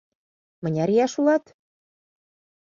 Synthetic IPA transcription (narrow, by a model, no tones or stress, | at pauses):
mə̆nʲɑɾijɑʃulɑt̪